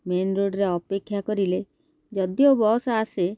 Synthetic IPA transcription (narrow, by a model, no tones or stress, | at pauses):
menɾoɖɾeɔpekʰːjakɔɾile | d͡ʒɔd̪jobɔsaase